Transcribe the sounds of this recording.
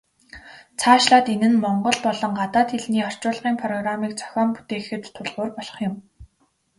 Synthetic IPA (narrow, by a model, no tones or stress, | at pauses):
t͡sʰaːʃɮaːt̪enɘ̆nmɔɴɢɞ̆ɮpɔɮɞ̆ŋɢat̪aːt̪eɮniːɔr̥t͡ɕʊːɮʁiːŋpʰrɔɣramiːk̚t͡sʰœ̥xʲɔːmpu̥t̪eːxɘ̆t̪ʰːʊɮʁʊːrpɔɮɞ̥̆χjʊ̆m